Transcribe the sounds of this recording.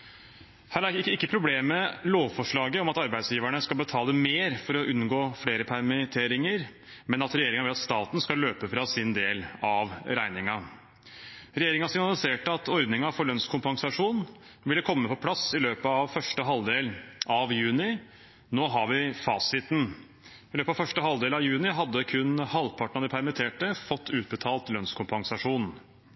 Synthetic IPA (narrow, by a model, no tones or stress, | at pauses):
hæːɾæɪkːəpʰɾʊbleːmːəloːʋfɔʂɭɑːɡəɔmɑt̪ɑɾbæɪd̪sjiːʋæɳəskɑlbət̪ʰɑːləmeːɾfɔɾɔʔʉnɡoːfɽeːɾəpʰæɾmɪt̪ʰeːɾɪŋəɾ | mɛnɑt̪ɾɛjeːɾɪŋɑʋɪlɑt̪st̪ɑːt̪n̩skɑløːpəfɾɑsɪnd̪eːlɑʋɾæɪnɪŋɑ | ɾɛjeːɾɪŋɑsɪŋnɑlɪseːʈəɑt̪ʰɔɾd̪nɪŋɑfɔɭœnskʰʊmpɑŋsɑʂuːnn | ʋɪlːəkʰɔmːəpʰɔpʰlɑsɪløːpəɑʋfœʂʈəɦɑld̪eːlʔɑʋjʉːnɪ | noːɦɑʋɪfɑːsɪt̪n̩ | ɪløːpɑʋfœʂʈəɦɑld̪eːlɑʋjʉːnɪɦɑd̪ːəkʰʉnhɑlpʰɑʈəɳ̩ɑd̪ɪpʰæɾmɪt̪ʰeːʈəfɔt̪ʰːʉːt̪̚bət̪ʰɑːlt̪lœnskʰʊmpɑŋsɑʂuːn